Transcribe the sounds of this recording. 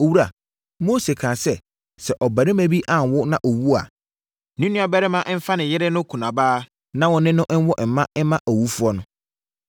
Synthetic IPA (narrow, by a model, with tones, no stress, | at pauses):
o˨wu˦ɾa˨ | mo˦se˨kʰãː˨sɛ˨ | sɛ˨ʔɔ˨bæ˨ɾɪ˦mæ̃˦bi˦ʔã˨n˨wʊ˦nã˨ʔɔ˨wu˦a̰˨ | nĩ˦nĩ˦ɔ˨bɛ˦ɾɪ˦mã˦ʔm̩˦fa˦nɪ̃˨jɪ˦ɾɪ˦nʊ̃˦kʰu˨nã˨baː˦ | nã˦wɔ̃˨nɪ̃˦nʊ̃˦ʔ̩˦wɔ˦ʔm̩˨mːã˦ɛ˦mã˦ʔɔ˨wu˦fu˦ɔ˦nʊ̃˦